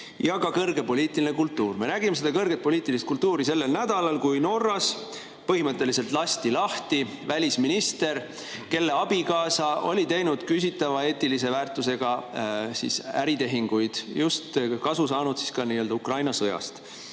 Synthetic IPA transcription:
jɑkɑkɤrɡ̥e̞po̞liːt̪ːˑilinekult̪ːˑuːrme̞næɡimese̞d̪ɑkɤrɡ̥e̞t̪̚po̞lʲiːt̪ːˑilist̪kult̪uːɾise̞lːe̞lnæd̪̥ɑlɑlkujno̞rːɑs | pɤhimɤt̪ˑːe̞lise̞lt̪ˑlɑst̪ilɑht̪i | vælʲisminist̪e̞ɾ | ke̞lːe̞ɑb̥ikɑːsɑʔo̞̰lʲit̪e̞jnud̪̥kys̬ʲit̪ːˑɑvɑe̞ːt̪ːilise̞væːrt̪ˑːuse̞ɡ̥ɑsḭsæɾit̪e̞ɦiŋɡ̥ujd̪̥just̪kɑsusɑːnud̪̥si̥skɑniːøld̪ɑukrɑjnɑsɤjɑ̰st̪

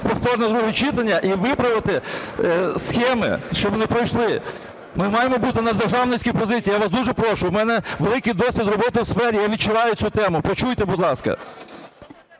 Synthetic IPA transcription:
pɔft̪ɔrnɛd̪ɾuɦɛt͡ʃɪt̪ɐnʲːɐʔiʋɪpɾɐʋɪt̪ɪ | sxɛmɪ̰ʃt͡ʃɔbʋɔnɪpɾɔjʃlˠɪ | mɪmɑjemɔbut̪ɪnɐd̪rʒɑwnɪsʲkʲijpɔzɪt͡sʲijːjaʋasd̪uʒɛpɾɔʃʊwmɛnɛʋelˠɪkɪjd̪ɔsʲʋʲid̪rɔbɔt̪ɪwsfɛɾʲijaʋʲid̚t͡ʃʊʋɑjʊt͡sʲsʲut̪ɛmʊpɔt͡ʃujt̪ɛbʊd̪lˠɑskɐ̰

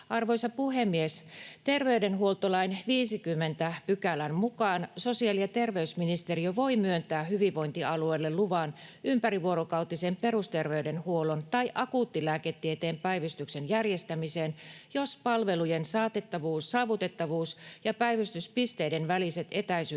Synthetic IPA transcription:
ʔɑrʋo̞jsɑpuhemːiest̪e̞rʋeydenɦuo̞lt̪olɑinʋiːsikymːe̞nt̪æpykælænmukɑːnso̞siɑlijɑt̪e̞rʋe̞ysminist̪e̞rioʋo̞imyønt̪æːhyʋiʋo̞int̪iɑlueːlːelluʋɑnympæɾiʋuo̞ɾokɑut̪ːisempe̞rust̪e̞rʋeyde̞nhuolont̪ɑiʔɑkuːt̪ːilæːket̪ːiet̪eːmpæijʋyst̪yksenjærjest̪æmiseːnjospɑlʋe̞lujensɑːt̪et̪ːɑʋuːsːɑːʋut̪e̞t̪ːɑʋuːsjɑpæjʋyst̪yspist̪e̞idenʋælise̞t̪e̞t̪æisy

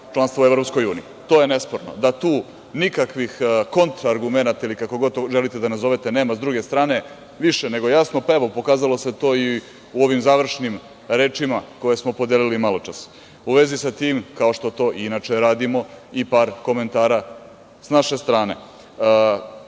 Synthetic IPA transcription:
t͡ʃlanst̪ʋoue̞vɾopsko̞juːnḭit̪o̞ːje̞ne̞spo̞ɾno̰d̪at̪uː | nikakʋixko̞nt̪ɾaːɾɡumenat̪ailikakoɡo̞d̪ʒelit̪ed̪anazo̞ʋet̪e̞ne̞ːmazd̪ɾuɡest̪ɾaːne̞ | ʋiʃene̞ɡo̞jasnopaeʋopo̞kaːzalo̞se̞t̪o̞ːi | uoʋimzaːʋr̩ʂnim | ɾe̞ːt͡ʂimako̞je̞smo̞po̞d̪elilimalˠot͡ʃas | uʋe̞zisat̪iːmkao̞ʃt̪ot̪o̞ːʔinat͡ʃeɾaːd̪imo̞ipaːɾko̞me̞nt̪aːɾa | snaʃe̞st̪ɾaːne

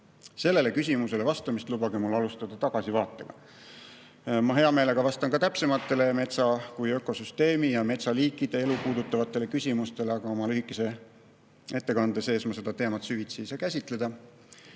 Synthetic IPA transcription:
se̞lːe̞le̞kys̬ʲimuse̞le̞vɑst̪ɑmist̪lub̥ɑɡ̥emulːɑlust̪ɑd̪̥ɑt̪ɑɡ̥ɑsivɑːt̪ːˑe̞ɡ̥ɑ̰ | mɑɦe̞ɑme̞ːle̞ɡ̥ɑvɑst̪ɑnkɑt̪æpse̞mɑt̪ːˑe̞le̞me̞t̪sɑkujø̞kːˑo̞syst̪e̞ːmijɑme̞t̪sɑliːkːˑid̪̥e̞e̞lupuːd̪̥ut̪ːˑɑvɑt̪ːˑe̞le̞kysʲimust̪e̞le̞ɑɡ̥ɑo̞mɑlyhikːˑe̞se̞ | e̞t̪ːe̞kɑnd̪ese̞ːsmɑse̞d̪ɑt̪e̞ːmɑt̪syvit̪siːsɑkæsʲit̪ˑle̞d̪̥ɑ

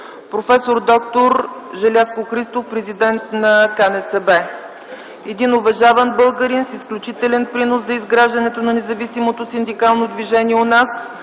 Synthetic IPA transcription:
pɾofɛsoɾd̪ɔkt̪oɾʒɛlʲaskoxɾist̪ofpɾɛzid̪ɛnt̪nɐkanɛsɛbɛ | ɛd̪inʊvɐʒavɐnbɤlˠɡəɾinsisklʲut͡ʃit̪ɛlɛnpɾinoszɐizɡɾaʒd̪ɐnɛt̪onɐnɛzɐvisimot̪osind̪ikalˠnod̪viʒɛniɛonas

